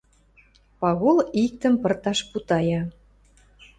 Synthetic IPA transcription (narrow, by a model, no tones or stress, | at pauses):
pɑɣolik̚t̪ə̆mpə̆rt̪ɑʃput̪ɑjɑ